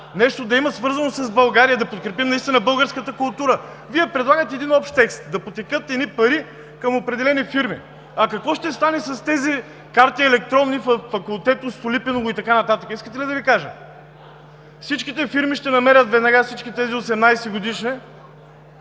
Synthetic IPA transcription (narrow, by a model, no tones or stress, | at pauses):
nɛʃt̪od̪ɐimɐsvɤɾzɐnosɐzbɐlˠɡaɾijəd̪ɐpot̪̚kɾɛpimnɐist̪inəbɤlˠɡəɾskət̪əkʊlˠt̪uɾə | viɛpɾɛd̪lˠaɡət̪ɛɛd̪inɔpʃt̪t̪ɛkst̪̚d̪ɐpot̪ɛkɤt̪ɛnipɐɾi | kɐmopɾɛd̪ɛlɛnifiɾmi | ɐkɐkvɔʃt̪ɛst̪anɛsɐst̪ɛzi | kaɾt̪iɛlɛk̚t̪ɾɔnniffɐkulˠt̪ɛt̪ʊst̪ʊlipɛnovʊit̪ɐkanɐt̪at̪əkəiskət̪ɛlid̪ɐvikaʒə | fsit͡ʃkʲit̪ɛfiɾmiʃt̪ɛnɐmɛɾʲət̪vɛd̪nɐɡafsit͡ʃkʲit̪ɛziosɛmnajsɛɡod̪iʃnɛ